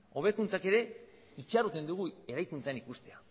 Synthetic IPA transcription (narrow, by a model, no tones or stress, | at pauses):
o̞β̞e̞kunt͡sake̞ɾe̞ | it͡ʃaɾut̪e̞nd̪uɣ̞ue̞ɾajkunt͡saenikust̪e̞a